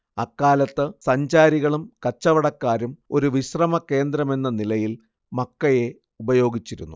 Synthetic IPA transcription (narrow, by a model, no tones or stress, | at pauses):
ɐkːaːlɐt̪ːɨsɐɲd͡ʑaːɾiɣɐɭumkɐt͡ɕːɐʋɐɽɐkːaːɾumo̞ɾuʋiɕrɐmɐke̞ːnd̪ɾɐme̞nːɐnilɐjil | mɐkːɐje̞ | ubɐjo̞ːɡit͡ɕːiɾunːṵ